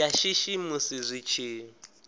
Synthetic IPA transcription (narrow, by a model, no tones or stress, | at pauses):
aʃiʃimʊsizʷit͡ʃʰeː